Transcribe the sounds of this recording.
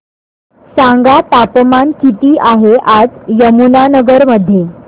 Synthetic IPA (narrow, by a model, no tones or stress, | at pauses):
saŋɡat̪apmankit̪iːʔaɦeʔad͡zjəmunanəɡəɾməd̪ʱːje